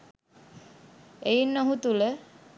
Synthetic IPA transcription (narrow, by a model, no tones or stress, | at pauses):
ejinːoɦut̪ulə